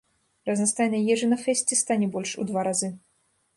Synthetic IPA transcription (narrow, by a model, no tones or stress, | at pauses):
rɐznɐst̪ajnɐjjɛʐɨnɐfɛsʲtʲɪst̪anʲɛbɔlʲʂṵd̪vaɾazɨ